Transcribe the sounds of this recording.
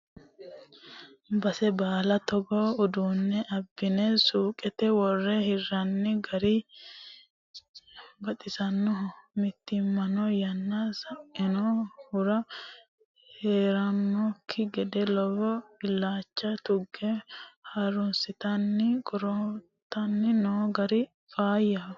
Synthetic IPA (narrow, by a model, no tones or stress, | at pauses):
bɐsɛbaːlɐt̪ɔɡɔʊd̪uːnːɛʔɐbːɪnɛsuːkʼɛt̪ɛwɔrːɛhɪrːɐnːɪɡɐɾɪ | bɐt̪ʼɪsɐnːɔmɪt̪ːɪmːɐnɔjɐnːɐsɐʔɪnohʊɾɐ | heːɾɐnːɔkʰːɪɡɛd̪ɛlɔwɔɪlːaːt͡ʃːɐt̪ʊɡːɛhɐɾʊnsɪt̪ɐnːɪkʼɔɾɔ | t̪ːɐnːɪnoːɡɐɾɪ | fʼaːjːɐ